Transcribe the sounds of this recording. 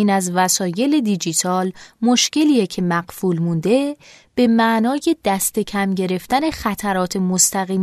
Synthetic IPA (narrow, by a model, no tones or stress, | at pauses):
iːnæzvæsɒːje̞le̞d̪id͡ʒit̪ʰɒːlmoʃce̞liːjecʰe̞mæɢfuːlmund̪e̞ | b̥e̞mæʔnɒːje̞d̪̥æst̪e̞cʰæmɟe̞ɾe̞ft̪æne̞xæt̪ʰæɾɒːt̪ʰe̞most̪æɣiːm